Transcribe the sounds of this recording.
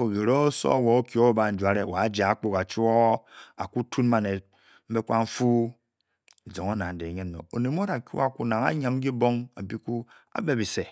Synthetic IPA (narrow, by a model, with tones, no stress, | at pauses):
o˨ɡi˨ɾo˦so̰˦˨wo˨o˦kjo˦ba˨n̩˦d͡ʒʷa˨ɾe˦˨wa˨˦d͡ʒa˨a˦k͡po˦ka˨t͡ʃu˦o˦a˨ku˦tu˦n˦ma˦ne˨ | m̩˦be˦kʷa˦ɱ̩˦fu˦ | e˨d͡ʒo˨ŋo˦na˨n̩˦de˨ɲe˦n˦no̰˨o˨ne˨m˦o˦ɾa˨kʲṵ˦a˦˨ku˦na˨ŋa̰˦ɲa˨m˦i˦bo˦ŋa̰˨bi˦ku˦ | a̰˨be˦bi˨se˨